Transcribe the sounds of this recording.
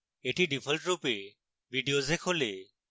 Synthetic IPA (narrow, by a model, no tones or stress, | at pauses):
eːʈʰiɖɪpʰəlʈɾuːpe | ʋiːɖijoːzeːkʰoːleː